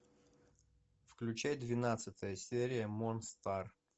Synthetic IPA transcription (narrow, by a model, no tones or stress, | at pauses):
fklʲʉt͡ɕæjd̪vʲɪnat̪sɨt̪əjəsʲeɾʲɪjəmonst̪ar